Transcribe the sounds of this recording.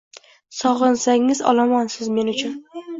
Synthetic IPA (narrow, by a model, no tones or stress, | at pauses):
sɒʁɨnsaŋɪzɒ̰lamɒnsɪzme̞nʊt͡ʃʰʊn